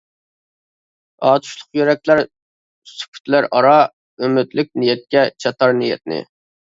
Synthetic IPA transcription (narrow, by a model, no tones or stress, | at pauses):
ɑːt̪ʰu̥ʃlˠʊqjøɾɛk̚ʲlæɾ | sy̥kʲʰy̥t̪ʰlæɾʔɑɾɑ | ømyt̪lɪk̚ʲnijɛt̪̚kʲɛt͡ʃʰɑt̪ɑɾnijɛ̰t̪̚nɪ̰